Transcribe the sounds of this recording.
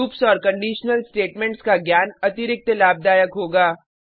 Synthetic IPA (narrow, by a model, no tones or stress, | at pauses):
uːpsɔːɾkɐ̃ɳɖiːʃnəlsʈeːʈmɛ̃ɳʈskaɡjaːnɐt̪ɪɾɪk̚t̪laːb̚d̪aːjəkɦoːɡaː